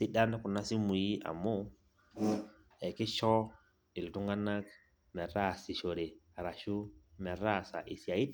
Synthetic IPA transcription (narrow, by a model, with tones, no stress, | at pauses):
sɪ˦da˦n˦kʊ˨na˦sɪ˦mu˨ji˦ʔa̰˨mo˦ | ɛ˨kɪ˦ʃɔ˦ | ɪ˨ltʊ˦ŋɡa˦na˦k | mɛ˨ɾa˦˨sɪ˨ʃo˨ɾe˨ | a˨ɾa˨ʃu˦mɛ˨ɾa˦˨sa̰˨ʔɪ˨sja˨i˦t